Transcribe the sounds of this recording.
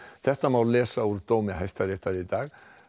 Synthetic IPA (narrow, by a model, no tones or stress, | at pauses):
θɛht̪amaleːsauɾd̪̥ɔːmɪaɦɛst̪aɾɪt̪aɾɪd̪ɑːɣ